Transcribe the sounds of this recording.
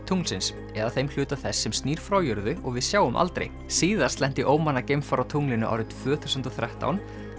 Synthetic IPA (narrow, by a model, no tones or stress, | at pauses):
t̪ʰuŋlsɪns | ɛðaθejml̥ʏːt̪aθɛsːɛmst̪niːɾ̥fɾaːwjœɾðʏɔɣvɪðsjaːwʏmʔa̰lt̪ɾḛj | siːðḁst̪lɛnt̪ɪʔoːwmanːacejmfaɾawt̪ʰuŋlɪnʏʔa̰wɾɪnt̪ʰvœːθuwsʏnt̪ɔθɾɛht̪a̰wn